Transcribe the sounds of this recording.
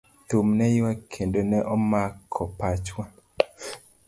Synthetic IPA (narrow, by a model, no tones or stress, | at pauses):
t̪umnɛjwakʰendonɛʔɔmakʰːɔpat͡ʃwa